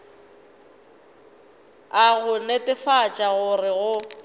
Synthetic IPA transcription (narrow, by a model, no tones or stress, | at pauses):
aɣʊnetʼɪfat͡ʃʼaɣʊrɪɣʊ